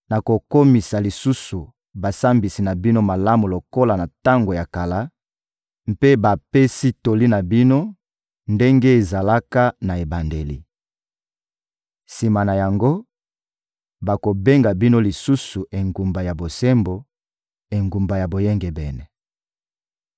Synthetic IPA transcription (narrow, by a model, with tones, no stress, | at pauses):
na˨ko˨ko˦mi˨sa˨li˨su˦su˨ | ba˨sa˦mbi˨si˨na˨bi˦no˦ma˨la˦mu˨lo˨ko˦la˨na˨ta˦ŋɡo˨ja˨ka˨la˦ | mpe˦ba˨pe˦si˦to˨li˦na˨bi˦no˦ | nde˦ŋɡe˦e˨za˨la˦ka˦na˨e˨ba˨nde˨lḭ˨ | si˨ma˨na˨ja˨ŋɡo˦ | ba˨ko˨be˦ŋɡa˨bi˦no˦li˨su˦su˨e˨ŋɡu˨mba˨ja˨bo˨sɛ˦mbo˨ | e˨ŋɡu˨mba˨ja˨bo˨je˦ŋɡɛ˨bɛ˨nɛ˨